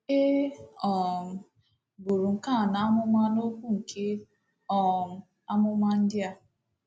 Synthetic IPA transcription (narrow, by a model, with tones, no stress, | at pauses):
e˦ɔ˨ | bu˨ɾu˨ŋ̩˨ka˦˨na˨a˦mʊ˦ma˦no˦ku˦ŋ̩˨kʰe˦ | ɔ˦˨ | a˦mʊ˦ma˦n̩˦dɪ˦a˦